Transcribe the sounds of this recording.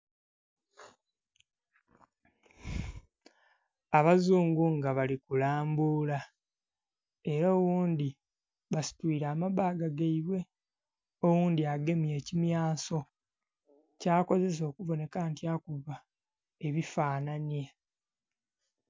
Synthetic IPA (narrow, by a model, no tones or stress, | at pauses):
aβazuːŋɡuŋɡaβalikulaːmbuːla | e̞ɾoːwuːnd̪i | βasi̥twiːɾaːmaβaːɡaɡaiβwe̞ | owuːndiaɡe̞mje̞ːcimjaːso̞ | caːko̞ze̞s̬o̞ːkuvo̞ne̞kaːntjaːkuva | e̞βifaːnanje